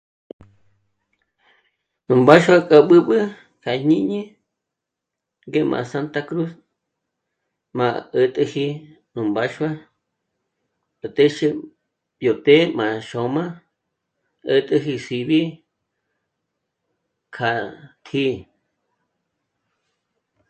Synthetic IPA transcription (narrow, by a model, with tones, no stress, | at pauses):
nũ˨mba˦ʃwa˦kʼa˧ɓɨ˦ɓɨ˦ | kʰa˨ɲĩ˦ɲĩ˦ | ŋɡe˦mʔã̰˧sa˧nt̪a˧kɾu˦s | mã˧ə˧t̪ʼɨ˧hi˧ | nũ˨mba˧ʃwa˦ | ə˨t̪e˦ʃɨ˧ | bjo˨t̪e˦mã˨ʃo˨mã˦ | ə˧t̪ʼɨ˧ɦi˧si˧βi˦ | kʰa˨t̪ʰi˧